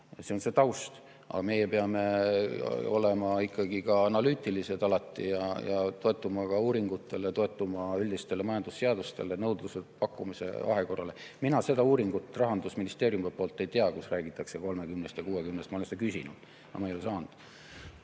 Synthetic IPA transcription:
seonse̞t̪ɑwst̪ | ɑ̰ɡɑme̞jepeɑme | o̞̰lemɑikːˑɑɡ̥ikɑɑnɑlyːt̪ːˑilise̞d̪ɑlɑt̪ːˑḭjɑjɑt̪o̞e̞t̪ːˑumɑkɑuːɾiŋɡ̥ut̪ˑːe̞let̪o̞e̞t̪ːˑumɑylʲd̪ist̪e̞lemɑjɑnd̪̥usːeɑd̪ust̪e̞̰lenɤwd̪̥lusepɑkːˑumise̞̰ɑ̰ɦe̞ko̞rɑle̞minɑse̞d̪ɑuːɾiŋɡ̥ut̪ːˑrɑɦɑnd̪usminist̪e̞ːɾjumepo̞ːlt̪ːˑe̞jt̪eɑkusræːɡ̥it̪ːˑɑkse̞ko̞lme̞kymnest̪jɑkuːwekymnest̪mɑolense̥t̪ɑkysʲinṵd̪̥ | ɑ̰mɑejosɑːnd̪̥

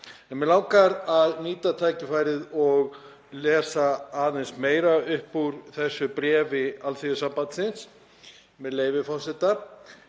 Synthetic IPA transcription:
ɛnmɛlaːwkaɾaðniːt̪at̪ʰaːjcɪfaːjɾɪðɔɣ | lɛːsaaːðɪnsmeːjɾaʏhpːuɾθɛsːʏpɾɛːvɪalθiɪsampat̪sɪns | mɛðleːjvɪfɔ̥sɛt̪a

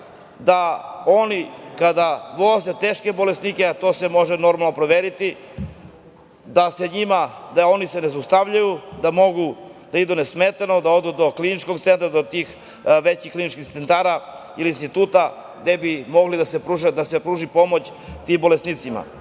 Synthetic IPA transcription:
d̪aonikad̪aʋozet̪eːʃke̞bo̞lesnikeat̪o̞ːse̞mo̞ʒeno̞ɾmalˠnopɾoʋeːɾit̪i | d̪aseɲimad̪ao̞nise̞nezust̪aʋʎajud̪amo̞ɡud̪̥aid̪unesmet̪ano̞d̪ao̞d̪ud̪oklinit͡ʃko̞ɡt̪se̞nt̪ɾad̪ot̪iːx | ʋet͡ɕixklinit͡ʃkixt̪se̞nt̪aɾa | iliinst̪it̪uːt̪a | d̪e̞bimo̞ɡlid̪asepɾuʒed̪asepɾuːʒipo̞mo̞t͡ɕ | t̪imbo̞lesnit̪sima̰

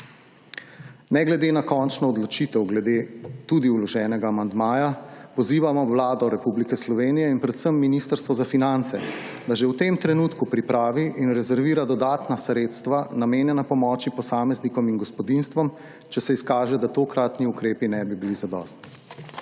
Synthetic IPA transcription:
nɛɡlɛd̪eːnakɔnt͡ʃnɔːd̪lɔt͡ʃiːt̪ɛwɡlɛd̪eːt̪uːd̪iulɔʒɛːnɛɡaːmand̪maːjapɔziːʋamɔʋlaːd̪ɔɾɛpublikɛslɔʋeːnijɛinpɾɛt̪səmːinist̪əɾst̪ʋɔzafinant̪sɛ | d̪aʒɛwt̪emt̪ɾɛnut̪kupɾipɾaːʋiʔinɾɛzɛɾʋiːɾad̪ɔd̪aːt̪nasɾeːt̪st̪ʋanameːnjɛnapɔmɔːt͡ʃipɔsaːmɛznikɔminɡɔspɔd̪inst̪ʋɔm | t͡ʃɛsɛiskaːʒɛd̪at̪okɾat̪niukɾeːpinɛbibilizad̪ɔ̰ːst̪i̥

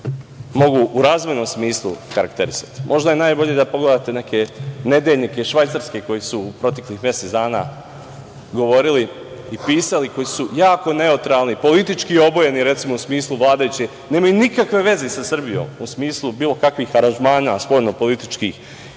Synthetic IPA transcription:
mo̞ɡuʔuɾaːzʋojnomsmiːslˠṵkaɾakt̪e̞ɾisḁt̪i̥mʔo̞ʒd̪ajenaːjbo̞ʎed̪apo̞ɡled̪aːt̪e̞ne̞ke̞ne̞d̪eʎʲnike̞ʃʋajt̪saɾske̞ko̞jisuːpɾo̞t̪e̞klixmjeset̪d̪aːna̰ | ɡo̞ʋo̞ɾili | ipiːsaliko̞jisujaːko̞ne̞ot̪ɾaːlˠnipo̞lit̪it͡ʃkio̞boje̞niɾe̞t̪simo̞usmiːslˠuʋlˠaːd̪ajut͡ɕe | ne̞ːmajunikakʋe̞ʋe̞zesasr̩bijo̰musmiːslˠubiːlˠo̞kakʋiːxaɾanʒmaːnaspo̞ːʎno̞po̞lit̪it͡ʃkiːx

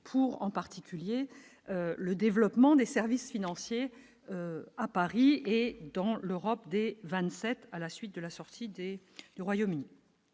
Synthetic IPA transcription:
pʰuʁɑ̰̃paʁt̪ikʲʰylje | øləd̪evlɔpmɑ̃d̪esɛʁvisfinɑ̃sje | øapaʁied̪ɑ̃løʁɔp̚d̪evɛ̃t̪sɛt̪alasɥit̪̚d̪əlasɔʁt̪ʰid̪ed̪yʁwajomyni

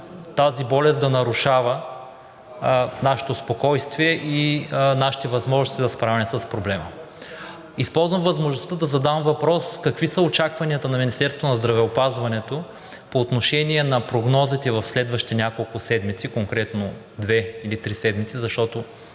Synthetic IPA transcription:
t̪azibɔlɛsd̪ɐnɐɾuʃavə | naʃɛ̥t̪ospokɔjst̪viɛʔinaʃi̥t̪ɛvɐzmɔʒnost̪id̪ɐspɾavɛnɛsəspɾoblɛmə | ispɔlˠzvɐmvɐzmoʒnost̪əd̪ɐzɐd̪amvɐpɾɔskɐkvisəot͡ʃakvɐniət̪ɐnɐminist̪ɛɾst̪onɐzd̪ɾɐvɛopazvɐnɛt̪o | poːt̪noʃɛniɛnɐpɾoɡnɔzit̪ɛvɐfslɛd̪vɐʃtit̪ɛnʲakolˠkʊsɛd̪mit̪sikoŋkɾɛt̪no | d̪vɛilit̪ɾisɛd̪mit̪sizɐʃt̪ɔt̪o

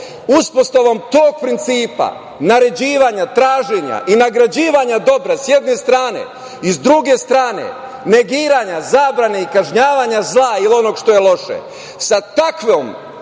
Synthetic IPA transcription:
uspo̞st̪oʋamt̪oːɡ̚pɾint̪siːpa̰ | naɾe̞d͡ʑiːʋaɲat̪ɾaːʒeɲa̰ʔinaɡɾad͡ʑiːʋaɲad̪o̞bɾasjed̪ne̞st̪ɾaːne̞̰ | izd̪ɾuɡe̞st̪ɾaːnḛ | ne̞ɡiːɾaɲazaːbɾane̞ikaʒɲaːʋaɲazlˠailio̞no̞ɡʃt̪o̞jelo̞ʃḛ | sat̪akʋom

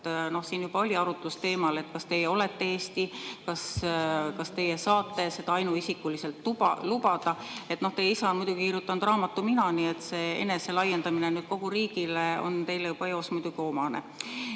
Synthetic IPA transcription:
no̞hsiːnjub̥ɑo̞lʲiɑɾut̪ːˑust̪e̞ːmɑle̞t̪ːkɑst̪e̞jeo̞le̞t̪ːe̞eːst̪ikɑskɑst̪e̞jesɑːt̪ˑːe̞se̞d̪ɑɑjnuisikːˑulise̞lt̪lubɑlubɑd̪̥ɑe̞t̪ːno̞ht̪ejisɑmujd̪uɡikiɾjut̪ːˑɑnd̪̥rɑːmɑt̪ːˑuminɑnie̞t̪se̞ːe̞̰ne̞se̞lɑjːend̪ɑminenyːd̪̥̚ko̞ɡ̥uɾiːɡ̥ileo̞̰nt̪e̞jlejub̥ɑeosmujd̪uɡ̥io̞mɑnḛ

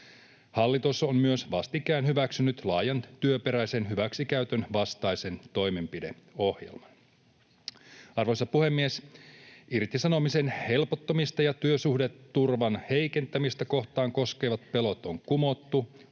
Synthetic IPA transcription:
hɑlːit̪osːommyøsʋɑst̪ikˑæːnhyʋæksynyt̪lɑːjɑnt̪yøpe̞ɾæjse̞nɦyʋæksikæyt̪ønʋɑst̪ɑjse̞nt̪o̞jme̞mpide̞̰o̞hjḛlmɑn | ɑrʋojsɑpuhe̞mːies | irt̪isɑno̞misenhe̞lpot̪ːomist̪ɑjɑt̪yøsuhdet̪ːurʋɑnhejke̞nt̪æmist̪æko̞ht̪ɑːŋko̞ske̞ːʋɑt̪̚pe̞lo̞t̪oŋkumo̞t̪ːu

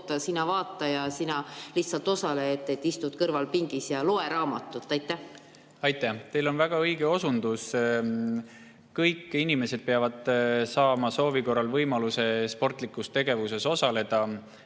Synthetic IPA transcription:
t̪ːˑɑsinɑvɑːt̪ˑːɑjɑsinɑliht̪sɑlt̪o̞sɑlet̪ːˑet̪ːist̪ut̪kɤrvɑlpiŋɡ̥isjɑloeɾɑːmɑt̪ːˑut̪ːˑɑjt̪ːˑæh | ɑjt̪ːˑæht̪e̞jlo̞nvæɡ̥ɑɤjɡ̥e̞o̞sund̪us | kɤjkːˑinime̞se̞d̪̥̚peɑvɑd̪̥sɑːmɑso̞ːviko̞rːɑlvɤjmɑluse̞spo̞rt̪ˑlikːˑust̪e̞ɡ̥e̞vuse̞so̞sɑle̞d̪̥ɑ

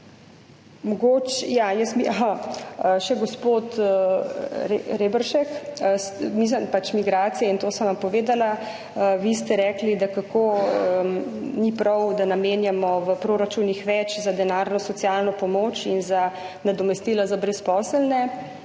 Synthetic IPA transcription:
mɔɡot͡ʃjajəsbiʔa | əʃɛɡɔspoːt̪ | ɾɾebəɾʃɛksmis̬əmpat͡ʃmiɡɾaːt̪sijɛint̪oːsənʋampɔʋeːd̪ala | əʋist̪ɛɾɛːklid̪akakoənipɾɔwd̪anameːnjamɔʋəpɾoːɾat͡ʃunixʋɛt͡ʃzad̪ɛnaɾnɔsɔt̪sijalnɔpɔmoːt͡ʃinza | nad̪ɔmɛst̪iːlazabɾɛspɔsəlnɛ

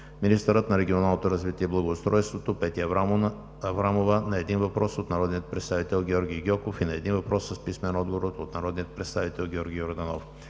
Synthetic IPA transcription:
minist̪əɾət̪nɐɾɛɡʲionalˠnot̪oɾɐzvit̪ʲiɛblˠɐɡoʊtst̪ɾɔjst̪vot̪opɛt̪i | ɐvɾamovənɐɛd̪invɐpɾɔsot̪nɐɾɔd̪nijət̪̚pɾɛt̪st̪avit̪ɛlˠɡʲɔɾɡʲiɡʲɔkofinɐɛd̪invɐpɾʔɔsːəspismɛnɔd̪ɡoɾot̪ot̪nɐɾɔd̪nijət̪̚pɾɛt̪st̪avit̪ɛlˠɡʲiɔɾɡʲijoɾd̪ɐnɔf

